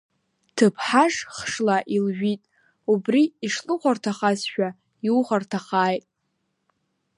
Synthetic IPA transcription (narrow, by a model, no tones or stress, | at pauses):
tʰɨpʰħaʐχʂlaʔilʒᶣitʼ | ubriːʂlʼɨqʷartʰaχasʃᶣa | iuχartʰaχaːjtʼ